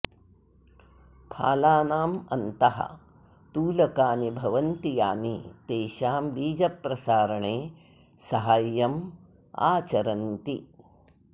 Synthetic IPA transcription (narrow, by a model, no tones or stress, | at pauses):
pʰa̰ːlaːnaːmɐ̰nt̪ɐɦɐ̰ | t̪uːlɐkaːnibʱɐʋɐnt̪ija̰ːnit̪eːʃaːmbiːd͡ʒɐpɾɐsaːɾɐɳeː | sɐɦaːjːɐm | a̰ːt͡ʃɐɾɐnt̪i